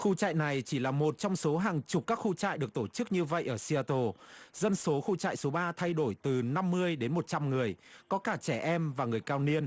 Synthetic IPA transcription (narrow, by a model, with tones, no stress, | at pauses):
xu˧t͡ɕa̰ː˧˨jna˨˩jt͡ɕi˧˩laː˨˩mo˨˩t̚t͡ɕɔ˧wŋ͡mso˨˦ɦaː˨˩ŋt͡ɕʊ˨˩k͡p̚kːaː˦˥k̚xu˧t͡ɕa̰ː˧˨jɗɨ˨˩ək̚t̪o˧˩t͡ɕɨ˦˥k̚ɲɨ˧və̰˧˨jʔəː˧˩si˧aː˧t̪o˧zə˧nso˨˦xu˧t͡ɕa̰ː˧˨jso˨˦ɓaː˧t̪ʰa˧jɗo˧˩jt̪ɨ˨˩na˧mːɨ˧əjɗe˨˦nmo˨˩t̚t͡ɕa˧mŋɨ˨˩əjkɔ˨˦kaː˧˩t͡ɕɛ˧˩ʔɛ˧mvaː˨˩ŋɨ˨˩əjkaː˧wni˧ən